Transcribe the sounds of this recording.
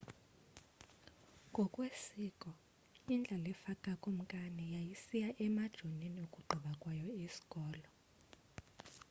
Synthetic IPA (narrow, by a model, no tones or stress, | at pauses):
ŋɡʱɔkʼwesiːkʼɔ | ind͡ɮʱalɛfakʼakʼom̩kʼanɛjajisijaʔɛmad̥ʒ̥ʱoniniokʼuɡ͡ǃʱiɓakʼwajɔisi̥kʼɔːlɔ